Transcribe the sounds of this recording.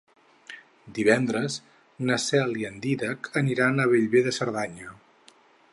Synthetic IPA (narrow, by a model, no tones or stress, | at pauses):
d̪iβɛnd̪ɾəz | nəsɛliənd̪iðəkʰəniɾanəβeʎβeðəsəɾðaɲə